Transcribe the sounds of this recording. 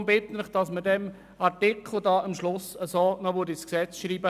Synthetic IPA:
mbɪtnələχd̥ɑsmədɛm | ɑɾtɪkʰχl̩ˠdɑːəmʃlʊsəsoːnɔʋøɾdisksɛt͡sʃɾiːbə

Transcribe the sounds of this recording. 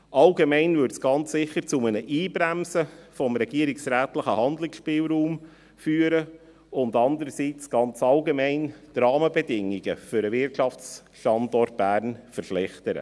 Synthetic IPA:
ʔɑlɡemɛɪnvʏɾtsɡ̥ɑnt͡ssɪχəɾt͡sʊmənəʔiːbɾæmsəfɔmɾɛɡiəɾiksɾæːt̪ləχəhɑnd̪lɪksʃpɪːlɾuːm | fyːəɾə | ʊndɑnd̪əɾəsit͡sɡ̥ɑnt͡sɑlɡemɛɪnd̥rɑːməbɛdɪŋːiɡ̥ə̰fʏɾəvɪrtʃɑfs | ʃtɑndɔrt̚b̥æːɾnfəɾʃlɛχt̪əɾə̰

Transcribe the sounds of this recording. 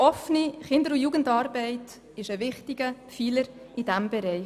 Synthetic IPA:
ɔfniχɪndəɾʊjuːɡən̩dɑːɾbɛɪt | ɪʃəvɪχtɪɡ̥əfiːləɾ | id̥æmbɛɾɛɪ

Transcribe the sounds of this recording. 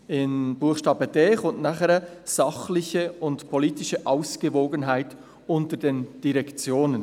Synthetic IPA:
ɪnbuəχʃtɑːbədɛːχʊntnaχəɾəz̥ɑχlɪçəʊntpʰoliːtɪʃəʔaʊsɡ̥əvoːɡənɦaɪt | ʊntədeːnd̥iʁɛkt͡sjoːnən

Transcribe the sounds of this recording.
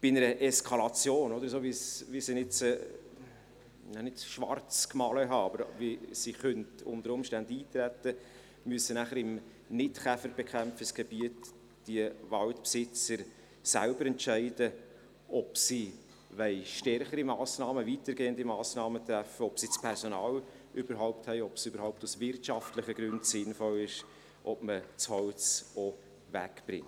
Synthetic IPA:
b̥ɪnəɾəʔɛskʰɑlɑt͡sjoːnɔd̪əɾsoːʋisvisinɪt͡s | nanɪtʃʋɑ̰ɾt͡skmɑləɦɑɑb̥əɾvisiχœntʊ̰ndəɾʊmʃtændiːtɾætə | myəsənæχəɾɪm | nɪtχæfəɾb̥ɛkʰχæmfəsɡ̥ɛb̥iət | d̥iəvɑltpsɪt͡səɾ | sæ̰lbəɾɛntʃæɪdə | ɔpsi | vɛɪʃtɛrχəɾimɑːsnɑːməvitəɾɡeːəndimɑːsnɑːmət̪ɾæfəɔpsit͡spʰɛɾsɔnɑːl | ʔyb̥əɾɦɔʊpthɛɪɔpsybəɾhɔʊp̚tusvɪrtʃɑftlɪχəɡɾʏndsɪnfɔlɪʃ | ʔɔpmət͡shɔlt͡sɔ | væ̰kb̥ɾɪ̰ŋt

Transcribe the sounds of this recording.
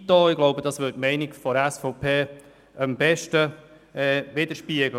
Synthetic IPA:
tːɔːɪɡ̥loʊbəd̥̪ɑsʋʏtmɛɪnɪɡfɔɾæsfoʊpʰeː | əmbɛʃtə | ɛːʋɪd̥̪əɾʃpiəɡlə

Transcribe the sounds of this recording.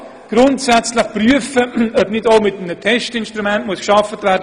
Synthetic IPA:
ɡ̥ɾʊntsɛt͡sləχpryəfəœbnɪtoʊmɪtm̩nətʰɛʃtɪnʃtɾumɛntmuəskʃɑfətvæɾd

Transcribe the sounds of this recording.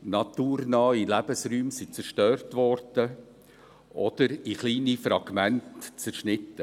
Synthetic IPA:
nɑt̪uːɾnɑːilæb̥əsɾyːmsit͡sɛɾʃtøːrtʋɔɾd̥ə | ʔɔd̥̪əɾɪχliːnifɾɑɡ̥mæntt͡sɛɾʃnɪtːə

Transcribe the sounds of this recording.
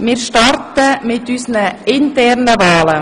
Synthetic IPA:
miːɾʃtɑɾt̪əmeːt̪ʰyːsənəɪnt̪ɛːɾnəʋɑːlə

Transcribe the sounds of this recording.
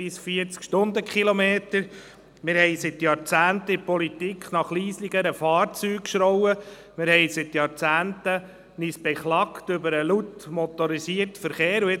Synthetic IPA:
isfiət͡skʃtʊnd̪əkχilomeːt̪əɾ | mɪɾhɛɪsɪt̪jɑːɾt͡sæːnt̪əɪpɔlitikχnɑχliːsliɡəɾəfɑːrt͡syːkʃɾɔwə | mɪɾhɛjsɪt̪jɑːɾt͡sæːntə | nisb̥ɛχlɑktʏbəɾəlut̪mɔt̪ɔɾisiəɾtfəɾχeːɾuɪ

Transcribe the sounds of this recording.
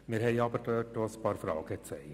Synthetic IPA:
mɪɾhɛɪɑbəɾtøːt̚doːspɑːɾfɾɑ̰ːɡ̥ət͡sɛl

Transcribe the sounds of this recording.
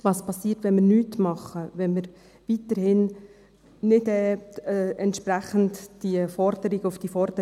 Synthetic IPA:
ʋɑːspʰɑsːiːəɾtʋɛnmɪɾnyːtmɑχːəʋɛnmɪɾ | ʋitəɾhɪn | nɪdɛː | ɛntʃpɾæχəntd̥iəfɔɾd̥̪əɾiɡəʊfd̥ifɔɾd̥ə

